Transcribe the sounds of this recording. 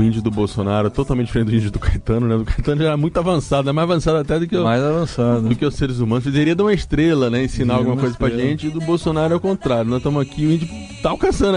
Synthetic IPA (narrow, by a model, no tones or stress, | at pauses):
ʊĩd͡ʒʊd̪ʊbowsonaɾʊɛt̪ot̪awmẽt̪t͡ʃɪd͡ʒ̥feẽd̪ʊĩd͡ʒʊd̪ʊkajt̪ɐ̃nʊnɛd̪ʊkajt̪ɐ̃nʊʒaɛmũj̃t̪ʊavɐ̃sad̪ʊɛmajzavɐ̃sad̪ʊat̪ɛd̪ʊkɪmajzavɐ̃sad̪ʊd̪ʊkɪɛwseɾɪzumɐ̃nʊsfizeɾiɐd̪ũmɐɪst̪ɾelɐnɛẽsinawɡũmɐkojzɐpɾɐʒẽnt͡ʃɪd̪ʊbowsonaɾʊɛawkõnt̪ɾaɾjʊnɔʃt̪ẽmʊzakʰiʊĩd͡ʒʊ | t̪aːwkɐ̃sɐ̃nd̪